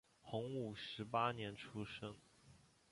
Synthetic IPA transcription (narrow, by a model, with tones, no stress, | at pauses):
xʊ˧˥ŋu˨˩ʂɻ̩˧˥pa˥njɛ˧˥nʈ͡ʂʰu˥ʂɤ˥ŋ